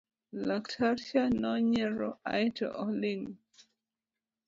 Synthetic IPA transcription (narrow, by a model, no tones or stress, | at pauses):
laktʰaɾʃanɔɲɛɾɔa̰jtɔ̰ʔɔliŋ